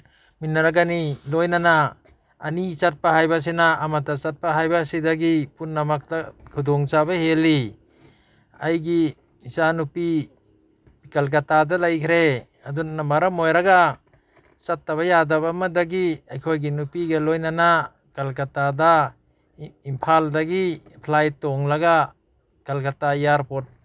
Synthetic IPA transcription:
minːaɾaɡanilɔjnanaː | nit͡ʃat̚paɦajbas̬enaːmatat͡ʃat̚paɦajbasidaɡipunːamak̚takʰud̪ɔŋt͡ʃabaheli | ajɡiː | sanupi | ikalk̬atadalajkʰɾe | adunamaɾamojɾaɡa | t͡ʃatːaβajadabamadaɡiajkʰojɡinupiɡɐlojnana | kalkatada | impʰaldaɡipʰlajtɔŋlaɡa | kalkatajaɾpɔt̚

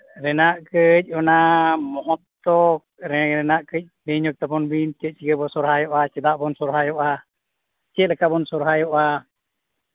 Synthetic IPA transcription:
ɾɛnaʔkəc̚ˀɔnamɔɦɔt̪t̪ːɔk̚ɾɛɾɛnaʔkəc̚ˀbɛɲɔk̚t̪apɔnbint͡ʃət̪̚t͡ʃikəbɔsɔɾɦajɔʔat͡ʃɛd̪aʔbɔnsɔɾɦajɔʔa | t͡ʃəʔ̪̚lɛkaʔbɔnsɔɾɦajɔʔa

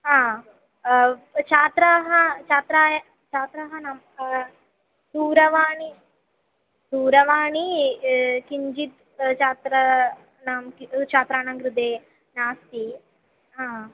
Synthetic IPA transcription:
ɦaː | t͡ʃʰaːt̪ɾɐɦɐt͡ʃaːt̪ɾaːjɐ | t͡ʃaːt̪ɾɐɦɐnɐm | d̪̥uːɾɐʋaːɳi | d̪̥uːɾɐʋaːɳi | kiɲd͡ʒit̪ | t͡ʃaːt̪ɾɐ | namkit͡ʃʰaːt̪ɾaːnɐŋɡɾud̪eː | naːst̪i | ɦaː

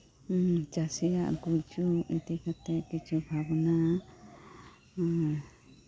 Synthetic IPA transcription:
t͡ʃasɛjaʔɾkult͡ʃuit̪ikat̪ɛkit͡ʃʰubʱabna

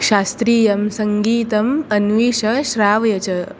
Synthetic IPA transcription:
ʃaːst̪ɾiːjɐmsɐŋɡiːt̪ɐmɐnʋiːʃɐʃɾaːʋɐjɐt͡ɕɐ

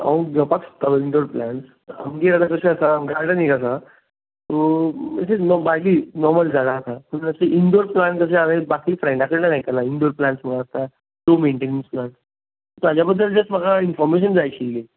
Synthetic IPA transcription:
a̰ʋə̃ɡəpaksə̥t̪aiɳɖoɾplaɳʈs | ə̰mɡeɾat̪akəseəsaɡɾaɽənekəs̬a | t̪oməsenɔbaɡiːnɔɾməld͡zaɽaət̪apəɳəseʔiɳɖoɾplankəseamẽbakifɾajɳɖakəɾnanaɦikəɾlaiɳɖoɾplãɳʈsməɡaːst̪a | ʈomeɳʈeniŋsplan | ɔt̪ad͡ʑabəd̪ʱːəld͡zəst̪m̤əɡainfɔɾmeɕ̬ənd͡zajt͡ɕile

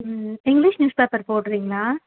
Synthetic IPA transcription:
ɪŋɡlɪʂnjuːspeːpɐɾpoːʈːɯɾiːŋɡɐɭaː

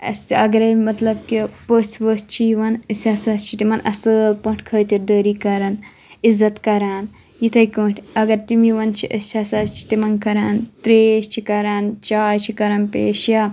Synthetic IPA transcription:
ɐ̰sɐɡɐɾɐjmɐt̪lɐb̚kipəsʋəst͡ʃʰiʋɐnəsʲasɐst͡ʃʰit̪imɐnʔɐ̰səːlpɐ̃ːʈʰʲkʰəːt̪iɾd̪əːɾiːkɐɾɐn | izɐt̪kɐɾaːn | jit̪ʰɐjkəːɳʈʰʲɐɡɐɾt̪imiʋɐnt͡ʃʰiʔəst͡ʃʰɐsɐːst͡ʃʰi̥t̪imɐnkɐɾaːnt̪ɾeːʃt͡ʃʰikɐɾaːnt͡ʃaːjt͡ʃʰikɐɾɐnpḛːʃjaː

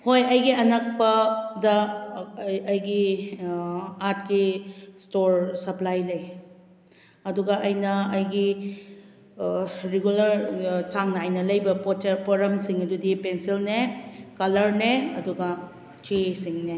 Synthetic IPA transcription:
hojɐjɡiɐnɐk̚pɐdɐ | ɐjɡi | aɾt̚kistoɾsɐplajlɐj | ɐduɡɐʔɐjnɐɐjɡi | ɾeɡulɐɾtaŋnɐajnɐlɐjbɐppoɾɐmsiŋɐdudipensilnekɐlɐɾneɐduɡɐ | t͡ʃesiŋne

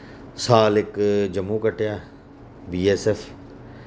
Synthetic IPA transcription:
saːlɪkd͡ʒɐmːuːkəʈʰjaː | biːesɛf

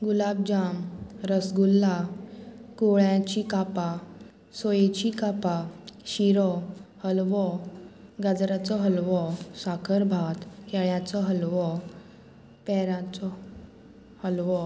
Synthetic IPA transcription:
ɡulab̚d͡ʑamɾəsɡulːa | koɭjãt͡ɕikapa | sojet͡ɕikapaɕiɾɔhəlʋɔ | ɡad͡zɾat͡sɔɦəlʋɔsakʰəɾbʱat̪kɛɭjat͡sɔɦəlʋɔ | pɛɾãt͡sɔ | həlʋɔ

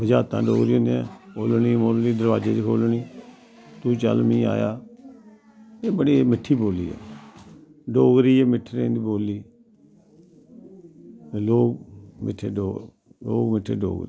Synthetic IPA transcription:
bəd͡ʒaːt̪ã̰ːɖoːɡɾiːõnd̪eãːoːlniːmoːlniːd̪əɾʋaːd͡ʒeːd͡ʒkʰoːlniː | t̪uːt͡ʃə̰lmĩːa̰ːja̰ː | eːbəɽiːmɪʈʰːiːboːlḭːɛ̰ː | ɖoːɡɾiːɛːmɪʈʰːɾẽːnd̪iːboːlːiː | loːɡmɪ̰ʈʰːeːɖoː | lo̰ːɡmɪʈʰːḛːɖo̰ːɡ

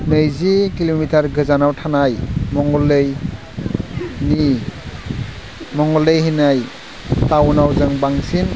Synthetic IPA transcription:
nɯjzikilomitaɾɡɯzanawtʰanajmɔŋɔlːɯj | ni | mɔŋɔlɯjɦinaj | tawnawzɯŋbaŋsin

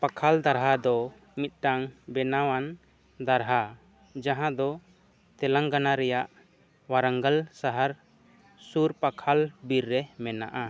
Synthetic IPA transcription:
pakʰald̪aɾɦad̪ɔ | mit̪̚ʈaŋbɛnawan | d̪aɾɦa | d͡ʒaɦãd̪ɔ | t̪ɛlaŋɡanaɾɛjaʔ | waɾaŋɡalsaɦaɾ | suɾpakʰalbiɾːɛmɛna̰ʔa

